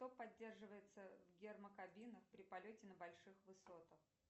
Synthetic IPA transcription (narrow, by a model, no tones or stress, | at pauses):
t̪opɐdʲːe̞rʐɨvəjɪt̪səvɡʲɪrməkɐbʲinəxpɾʲɪpɐlʲotʲɪnəbɐlʲʂɨxvɨso̞t̪əx